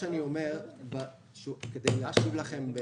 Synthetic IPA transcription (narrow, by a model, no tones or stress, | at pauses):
eaniome̞ʁba | ʃked̪ejlaʃivlaχe̞mbe